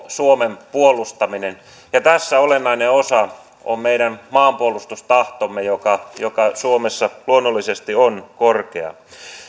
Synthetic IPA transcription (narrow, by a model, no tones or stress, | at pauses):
suomempuolˑust̪ɑminen | jɑt̪æsːæolenːɑineosɑ | o̰mmeiɾænmɑːmpuolˑust̪ust̪ɑht̪omːejokɑjokɑsuomesːɑluonːolːisest̪ionkorkḛɑ̰